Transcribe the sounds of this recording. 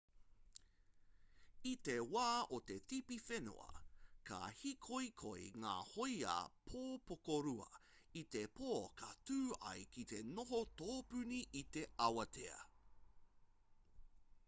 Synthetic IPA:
it̪e̞waːot̪e̞θipifeno̰ɐ̰ka̰hikʰojkʰojŋa̰ːhoja̰pʰoːpokoɾuɐ̰ | it̪epʰoːkʰɐtʉːɐ̰jk̟it̪e̞noɦotoːpʉniʔit̪eɐwɐtʰeɐ̰

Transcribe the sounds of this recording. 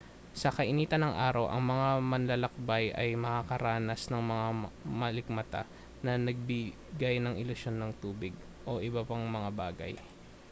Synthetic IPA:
sɐkɐʔɪniːt̪ɐnːɐŋʔa̰ːɾɐwʔɐ̰ŋmɐŋamɐnlɐlɐk̚bajʔɐjmɐkakɐɾaːnɐsnɐŋmɐŋamɐlɪk̚mɐt̪a̰ | nɐnɐɡ̚bɪ | ɡajnɐŋʔɪlʊsjo̞nːɐŋt̪uːbɪɡ̚ | ʔo̞ʔɪbɐpɐŋmɐŋabaːɡɐ̰j

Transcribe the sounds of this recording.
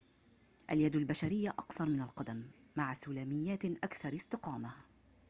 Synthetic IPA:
ʔaljad̪albaʃaɾɪjːaʔɑqθɑɾˤmɪnalqɑd̪amː | aʕasuːlaːmɪjːaːt̪ʔakθɑɾˤɪst̪ɪqɑːma

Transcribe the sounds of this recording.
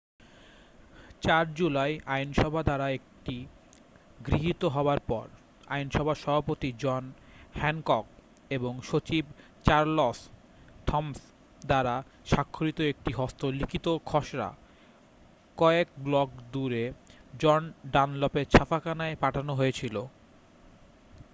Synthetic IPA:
t͡ɕaɾd͡ʑulajajnʃɔbʱad̪aɾaek̚ʈi | ɡɾiɦit̪oɦɔoaɾpɔ̰ɾ | a̰jnʃɔbʱaʃɔbʱapot̪id͡ʑɔn | hɛnkɔk̚ | eboŋʃot͡ɕib | t͡ɕaɾlos | t̪ʰɔms | d̪aɾa | ʃakʰːoɾit̪oek̚ʈiɦɔst̪olikʰit̪okʰɔʃɾa̰ | kɔek̚blɔkd̪uɾed͡ʑɔnɖanlɔpeɾt͡ɕʰafʰakanaepaʈʰanoɦoet͡ɕʰilo

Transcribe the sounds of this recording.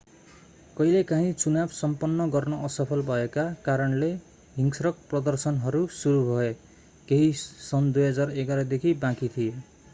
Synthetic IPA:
kʌilekãɦĩt͡sunabsʌmpʌnːʌɡʌrnʌʔʌsʌpʰʌlbʱʌekakaɾʌnle | ɦiŋsɾʌk̚prʌd̪ʌrsʌnɦʌɾusuɾubʱʌe | keɦisʌnd̪ujɦʌd͡zareɡaɾʌd̪ekʰibãkit̪ʰije

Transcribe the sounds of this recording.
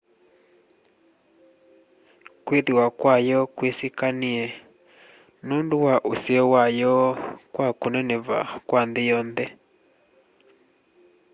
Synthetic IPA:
kweðiwakwajɔkwesikaniɛ | nonduwaʔusiɔwajɔkwakunɛnɛva̰kwandijɔːndɛ

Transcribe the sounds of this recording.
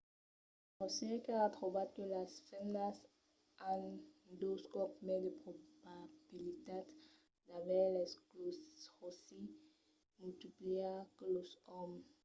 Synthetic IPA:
ɔsɛkaatʁobad̪̚kelasfɛmnas | and̪oskɔpmed̪epχobab̥ilit̪ad̪ | d̪abɛleskloʁosi | mult̪ipliaklosɔm

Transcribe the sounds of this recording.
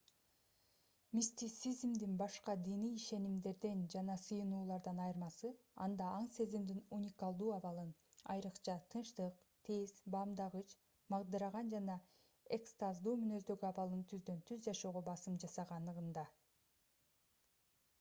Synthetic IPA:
mʲisʲt̪ʲit̪sizmd̪inbɑʃqɑd̪inijiʃe̞nimd̪e̞ɾd̪end͡ʒɑnɑsɯjɯnuːlˠɑɾd̪ɑnɑjɯɾmɑsɯ | ɑ̰nd̪ɑɑɴse̞zimd̪inunʲikalˠd̪uːɑβɑlˠɯnɑ̰jɾɯqt͡ʃɑt̪ʰɯnʃt̪ɯq | t̪ʰezbɑmd̪ɑʁɯt͡ʃ | mɑʁd̪ɯɾɑʁɑnd͡ʒɑnɑ | ekst̪ɑzd̪uːmynø̞zd̪ø̞ɡyɑβɑlˠɯnt̪ʰyzd̪ø̞nt̪ʰyzd͡ʒɑʃo̞ːʁobɑsɯmd͡ʒɑsɑʁɑnd̪ɯʁɯnd̪ɑ

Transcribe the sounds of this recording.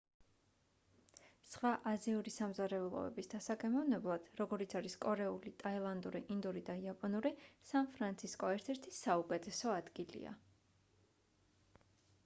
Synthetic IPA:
sχwaʔaziuɾisamzaɾɛulˠɔ̰ɛ̰bisd̪asakʼɛmɔvnɛblˠad̪̥ɾɔɡɔɾit̪sʰaɾiskʼɔɾɛulit̪ʼailˠand̪uɾiʔind̪uɾid̪aiapʼɔnuɾisanpʰɾant̪sʰiskʼɔɛɾt̪ʰɛɾt̪ʰisːaukʼɛt̪ʰɛsɔad̪ɡilḭa̰

